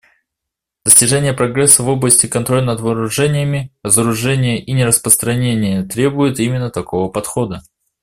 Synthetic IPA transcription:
d̪̥əsʲtʲɪʐɛnʲɪjəpɾɐɡɾɛsːəvo̞blˠəsʲtʲɪkɐnt̪ɾo̞lʲnəd̪vəːɾʊʐɛnʲɪjəmʲɪɾəzəɾʊʐɛnʲɪjəʔinʲɪɾəspɾəst̪ɾɐnʲenʲɪjət̪ɾʲe̞bʊjɪt̪imʲɪnːət̪ɐko̞vəpɐt̪xod̪ə

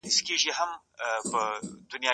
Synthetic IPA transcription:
ɪskeʒiɦam | pəd̪ʊnjɑ

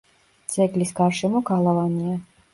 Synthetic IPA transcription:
t̪sʰʼɛklisɡaɾʃɛmɔɡalˠavania

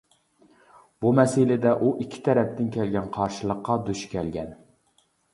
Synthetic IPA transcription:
bumɛsɪlɪd̪ɛʔuʔikʲʰːi̥t̪ʰɛɾɛp̚t̪ɪnkʲʰɛlɡʲɛnqʰɑɾʃɨlˠəqːɑd̪uʃkʲɛlɡʲɛn

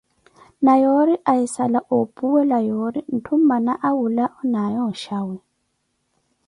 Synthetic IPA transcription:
najɔɾiʔaisalaʔopʼuwɛlajoɾin̩tʰum̩banaʔawulaʔɔnajɔʃawɛ

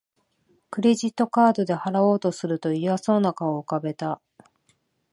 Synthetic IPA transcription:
kɯ̟ɾe̞ʑit̪ːo̞kaːd̪o̞d̪e̞haɾao̞ːt̪o̞sɨɾɯ̟t̪o̞iβaso̞ːnakaoɯkabe̞t̪a

